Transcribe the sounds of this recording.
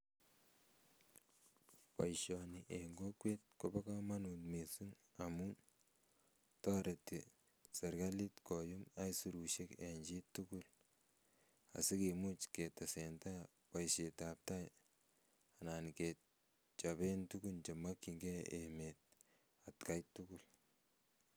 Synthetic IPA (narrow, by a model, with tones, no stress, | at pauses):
pa̰˨jʃɔniʔeŋɡo˦kwe˦t̚ko˦ba˦ka˦ma˦nutmi˨su˦ŋ | amun | tɔ˦ɾeti | sɛ˨ɾɡa˦li˦tkɔ˨juma˦jsu˨ɾuʃe˦ke˨ɲd͡ʒi˦tːuku˦l | a̰˨si˦kemu˦t͡ʃke˨tasenta˦ | pa˨jʃe˨tap̚ta˦j | a˨na˨nket̚ | t͡ʃabe˦ntu˦ɡunt͡ʃe˨ma˦kːiŋɡɛemet̚ | atka˦jtːukul